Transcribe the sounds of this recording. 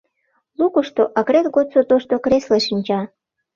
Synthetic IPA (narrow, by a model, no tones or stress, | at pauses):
lukoʃt̪oʔɑɣɾet̪ɣot̪sot̪oʃt̪okɾesleʃinʲt͡ɕɑ